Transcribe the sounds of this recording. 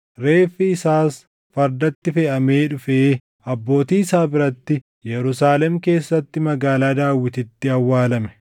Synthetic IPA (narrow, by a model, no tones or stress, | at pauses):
ɾe̞ːfːiɪsaːs | fɐɾd̪ɐt̪ːɪfɛʔɐme̞ːᶑʊfeː | ɐbːo̞ːt̪iːɪsaːbɪɾɐt̪ːɪ | jɛɾʊsaːlɛmke̞ːsːɐt̪ːɪmɐɡaːlaːd̪aːwːɪt̪ɪt̪ːɪɐwːaːlɐmɛ̥